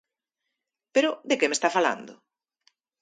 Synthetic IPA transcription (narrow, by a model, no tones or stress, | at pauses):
peɾʊðekemest̪afala̰nd̪ʊ